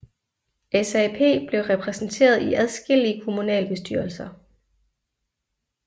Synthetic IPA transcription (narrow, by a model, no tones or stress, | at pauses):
esæpʰe̝̰ːb̥le̝ʊʁɛpʰʁɛsn̩t͡sʰe̝̰ːɐð̞ˠiʔæðˠsɡ̥e̝l̰iəkʰo̝munɛ̰ːlb̥e̝sd̥yɐlsɐ